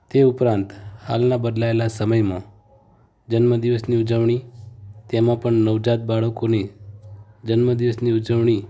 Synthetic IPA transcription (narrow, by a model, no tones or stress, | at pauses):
t̪eupɾãnt̪ha̰lnãbəd̪laelasəməjmã | d͡ʒənməd̪iʋəsniud͡ʒəʋɳ̃it̪emãpəɳnəʋd͡ʒat̪̚baɭəkone | d͡ʒənməd̪iʋəsniud͡ʒəʋɳ̃i